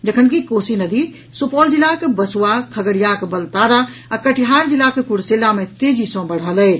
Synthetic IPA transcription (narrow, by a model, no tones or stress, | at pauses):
d͡ʒəkʰənkikosinəd̪i | supɔld͡ʒilakebəsuwakʰəɡəɾijakbəlt̪aɾaakəʈʰiɦaɾd͡ʒilakekuɽselamẽt̪ed͡ʒisə̃bəɽ̤ɦələɪ